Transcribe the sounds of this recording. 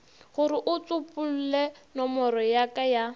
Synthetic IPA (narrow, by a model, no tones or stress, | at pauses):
χʊɾɪʔʊt͡sʊpʼʊl̩lɛnɔmɔɾɔjakʼaja